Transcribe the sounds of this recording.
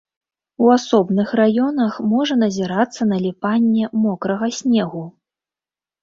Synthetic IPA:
uasɔbnɨxrajɔnɐxmɔʐɐn̪ɐzʲɛɾat̪sːɐnɐlʲipanʲːɛmɔkɾɐɣɐsʲnʲɛɣu

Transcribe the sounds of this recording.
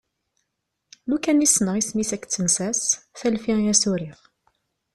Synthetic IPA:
lukænisnəʁisnisækːt͡sːənsæsθælfiʁjæsuɾiʁ

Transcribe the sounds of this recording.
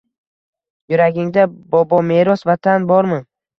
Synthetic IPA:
jʊɾaɡʲɪŋd̪abɒbɒme̞ɾɒsvat̪ʰanbɒɾmɪ

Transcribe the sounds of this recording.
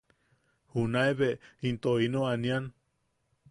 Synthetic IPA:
hunaeβeint̪oinoanian

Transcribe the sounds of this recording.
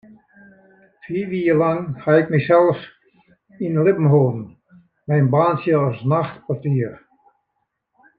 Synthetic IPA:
fiːʋiːərlaŋhaɪkmɛsɛlˠf | inlɪpm̩ɦoːdn̩ | mɛjnbaːnsjəɔsnaxtpartiːər

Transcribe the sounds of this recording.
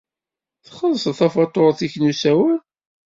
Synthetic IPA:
θχəðˤsˤθæfɑt̪ˤːoɾˤθiçnusæwəɾ

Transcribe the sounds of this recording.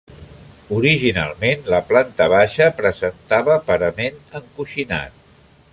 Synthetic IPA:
uɾiʒina̰lˠmenləplant̪əβaʃəpɾəzənt̪aβəpəɾəmenəŋkuʃina̰t̪̚

